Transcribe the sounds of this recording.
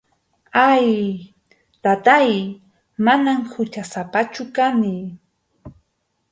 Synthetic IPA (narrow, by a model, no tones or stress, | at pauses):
aj | t̪at̪aj | manamhʊt͡ʃasapat͡ʃʊkanɪ